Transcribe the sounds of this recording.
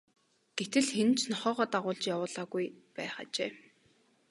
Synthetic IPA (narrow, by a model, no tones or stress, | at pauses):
ɡ̥et̪ɘ̆ɮxen̆t͡ɕnɔχɔːʁɔːt̪aʁʊːɮt͡ɕjawʊːɮaːɣujpæ̰ːχa̰ːt͡ɕeː